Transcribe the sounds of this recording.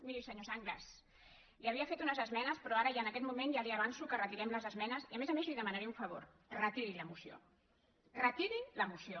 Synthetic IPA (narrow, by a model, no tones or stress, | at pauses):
miɾisəɲosaŋɡlas | liəβiəfet̪unəzəzmɛnəspɾɔaɾəjaənəkɛt̪mumenjaliəβansukərət̪iɾɛmləzəzmɛnəziəmezəmezliðəmanaɾɛuɱfəβ̞o̰ɾ | rət̪iɾiləmusio̰ | rək̪iɾiləmusio